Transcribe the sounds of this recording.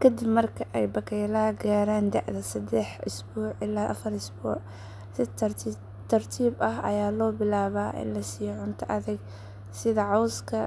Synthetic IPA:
kʰɐd̪ɪbmɐrkʰɐʔɛjbɐkʰɛjlɐɡaːɾaːnd̪aʕðɐsɐd̪ɛħɪsbuːʕʔɪlaːʔɐfɐrɪsbṵːʕ | sɪt̪ː | t̪ʰɐrt̪ʰiːbʔɐɦɐ̰jaːlɔːbɪlaːβaːʔɪ̰nlɐsiːjʕʊnt̪ʰɐʔɐðɪɡ | sɪðɐʕɔwskʰɐ

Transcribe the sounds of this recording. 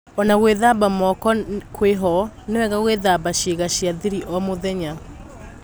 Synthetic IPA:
ɔnaɣweðabamɔkɔkʰweɦɔnewɛɣaɣweðabaɕeɣaʃjaðiɾiʔɔmoðɛɲa

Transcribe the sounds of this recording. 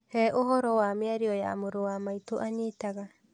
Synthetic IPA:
hɛʔoɦɔɾɔwameaɾiɔja̰moɾowamaitoʔaɲitaɣa

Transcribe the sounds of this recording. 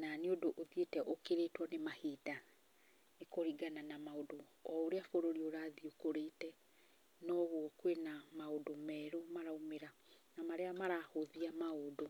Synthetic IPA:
naneodoʔoðietɛʔokeɾetwɔnemaheda | nekoɾiɡananamaodoɔoɾeafoɾoɾioɾaðiokoɾetɛ | nɔβwɔkwenamaodomɛɾomaɾaumeɾa | namaɾeamaɾahoðiamaodo

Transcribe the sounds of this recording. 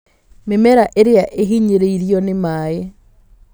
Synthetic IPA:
memɛɾaʔeɾeaʔeɦiɲeɾeiɾiɔnemaːe

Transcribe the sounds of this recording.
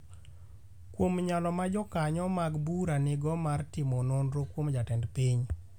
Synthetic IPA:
kwomɲalɔmad͡ʒɔkaɲɔmaɡbuɾanɪɡɔmartɪmɔnonɾokwomd͡ʒatɛndpiɲ

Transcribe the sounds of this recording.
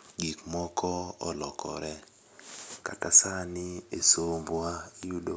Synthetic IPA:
ɡikmɔkʰɔɔ̰lɔkʰɔ̰ɾɛ | ka̰kasanɪesomboaijudo

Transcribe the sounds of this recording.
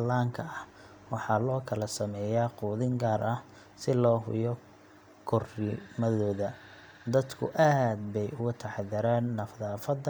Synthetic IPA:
laːŋkʰɐɐh | wɑħɑːlɔːkʰɐlɐsɐmɛːjaːquːðɪŋɡaːɾʔɐh | sɪlɔːɦʊ̰jɔ | kʰʊrɪmɐðɔːðɐ | d̪ɐd̪kʰʊ̰ʔaːd̪̚bɛjʊɣʊt̪ʰɐħðɪɾaːnːɐfðaːfɐd̪

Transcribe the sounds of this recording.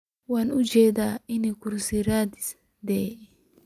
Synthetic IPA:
waːnʊd͡ʒeːd̪aɪnːɪkʊɾsiɾaːd̪ɪ̥s | d̪eː

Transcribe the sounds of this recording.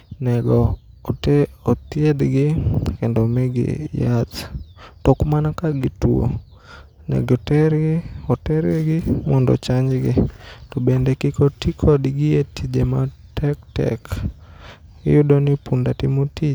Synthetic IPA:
nɛɡɔ | ɔt̪ɪɛd̪ɡɪkɛndomɛɡɪ̰jattɔkmanakaɡitwo̰ | nɛ̰ɡɔtɛɾɔtɛɾɛɡɪmɔndɔ̰t͡ʃaɲd͡ʒɡɪtɔbɛndɛkikotikʰɔdɡɪetid͡ʒematɛktɛ̰k | ɛ̰jʊdonɪpundatɪmotit͡ʃ

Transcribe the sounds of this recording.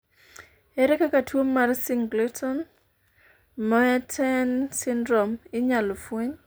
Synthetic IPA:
ɛɾɛkakatwomːarsiŋɡletʰɔn | mɔɛtʰɛnsɪndɾɔmɪɲalɔfweɲ

